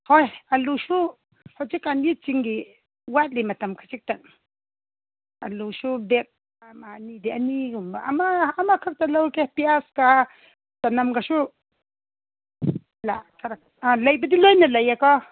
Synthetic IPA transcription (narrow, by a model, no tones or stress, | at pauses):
hojaluʃu | hot͡ʃikanit̪̚t͡ʃiŋɡi | wat̪limat̪amkʰat͡ʃik̚t̪an | a̰luʃubek̚ | amanid̪ianikmamaːmakʰaɾ̚t̪alawkehpiaska | t̪anamɡaʃu | lakʰaɾa | alajbid̪ilojnalajakɔ